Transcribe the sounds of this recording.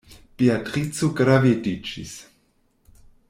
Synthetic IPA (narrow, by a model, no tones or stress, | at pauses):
piatɾit͡suɡɾavidit͡ʃḭs